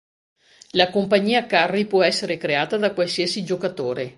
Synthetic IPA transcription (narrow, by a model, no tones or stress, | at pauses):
lakompaɲːiːakarːipwɔɛsːeɾekɾeaːt̪ad̪akwalsiasid͡ʒokat̪oːɾe